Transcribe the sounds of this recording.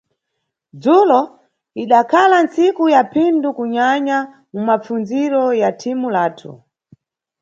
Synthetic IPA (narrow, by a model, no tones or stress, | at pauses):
d͡zulɔ | iɗakʰalansikujapʰindukuɲaɲa | mumap͡funziɾɔjatʰimulaːtʰṵ